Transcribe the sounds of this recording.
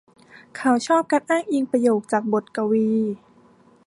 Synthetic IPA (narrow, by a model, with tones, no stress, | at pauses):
kʰa˧˦wt͡ɕʰɔː˥˩p̚ka˧nʔaː˥˩ŋʔi˧ŋpɾa˧joː˨˩k̚t͡ɕaː˨˩k̚bo˨˩t̪̚ka˧wiː˧